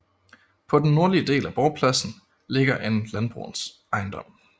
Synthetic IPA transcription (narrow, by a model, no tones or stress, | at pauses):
pʰɒ̽d̥en̩ːo̝ɐliəd̥e̝̰ːlæb̥ɒʊpʰlæsn̩ | le̝ɡ̥ɐʔe̝nlænb̥ʁṵːn̩s | ɑ̈ɪnd̥ɒ̽m̰